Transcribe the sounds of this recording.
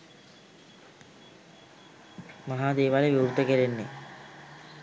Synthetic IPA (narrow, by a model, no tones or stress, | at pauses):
maɦaːd̪eːʋaleʋiɾt̪ːəkeɾenːe